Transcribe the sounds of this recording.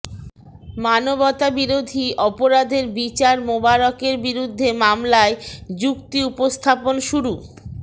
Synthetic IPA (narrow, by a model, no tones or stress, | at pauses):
manobɔt̪abiɾod̪ʱiʔɔpoɾad̪ʱeɾbit͡ɕaɾmobaɾɔkeɾbiɾud̪ʱːemamlaed͡ʑukt̪iupost̪ʰaponʃuɾu